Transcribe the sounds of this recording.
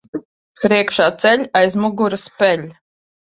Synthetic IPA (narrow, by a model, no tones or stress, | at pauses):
pɾiɛkʃaːt̪sɛlʲajzmuɡuɾɨspɛlʲ